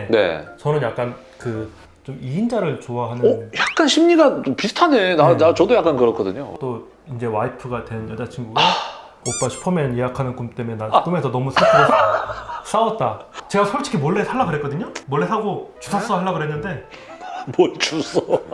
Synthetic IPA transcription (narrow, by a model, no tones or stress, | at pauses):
ne̞̰t͡ɕʌnɯnjak̚k͈an | kɯ | t͡ɕomiind͡ʑaɾɯɭt͡ɕoaɦanɯjak̚k͈anɕʰimɲiɡapisʰɯ̥tʰane̞nanat͡ɕʌdojak͈ankɯɾʌkʰʌdɯɲo̰t͈o | ind͡ʑe̞waipʰɯɡatwe̞njʌd͡ʑat͡ɕʰinɡuɡe | op͈aɕʰi̥pʰʌmjʌnjeɦakʰanɯnkumt͈e̞menak͈ume̞sʰʌnʌmus͈ʰaɭpʰɯɡo | s͈aʌt̚t͈at͡ɕe̞ɡasʰʌɭt͡ɕ͈ʰi̥kʰimwʌɭːe̞sʰaɭːaɡɯɾɦetk͈ʌdɯɲomwʌɭːe̞sʰaɡot͡ɕu̥sʰas͈ʌhʰaɭːaɡɯɾɦenːɯnde̞ | bot͡ɕus͈ʌ